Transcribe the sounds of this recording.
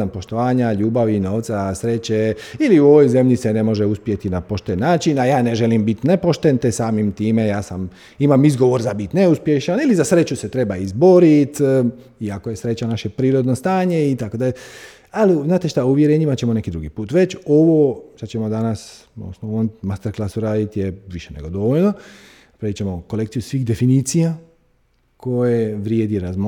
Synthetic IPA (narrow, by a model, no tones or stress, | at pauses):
ampo̞ʃt̪o̞ʋaːɲaʎuːbaʋino̞ːʋt̪sasɾe̞t͡ɕeiliuo̞ʋojze̞mʎise̞ne̞mo̞ʒeuspje̞t̪inapo̞ʃt̪enːaːt͡ʃinajaːne̞ʒelimbit̪nepo̞ʃt̪ent̪esaːmimt̪iːme̞jaːsam | imamizɡo̞ʋo̞ɾzabit̪ne̞uspje̞ʃanilizasɾe̞t͡ɕuse̞t̪ɾe̞baizbo̞ɾit̪ | iakojesɾe̞t͡ɕanaʃe̞pɾiːɾo̞d̪nost̪aːɲe̞it̪akod̪aʎe | aliznaːt̪eʃt̪auʋjeɾeːɲimat͡ɕe̞mone̞kid̪ɾuɡipuːt̪ʋe̞t͡ɕoʋoʃt̪at͡ɕe̞mo̞d̪anasosnoonmast̪eɾklˠasuɾaːd̪it̪jeʋiʃeneɡo̞d̪o̞ʋoʎno̞ | pɾeit͡ɕe̞mo̞ko̞lekt̪sijusʋixd̪e̞finiːt̪sija | ko̞jeʋɾjed̪iɾazm